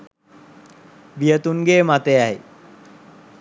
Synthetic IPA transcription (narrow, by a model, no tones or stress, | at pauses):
bijət̪uŋɡeːmat̪eaj